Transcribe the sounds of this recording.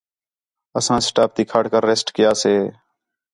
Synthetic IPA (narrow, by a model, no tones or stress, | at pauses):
əsãːsʈaːp̚ʰt̪iːkʰaːɽkəɾːeːsʈkɪjaːseː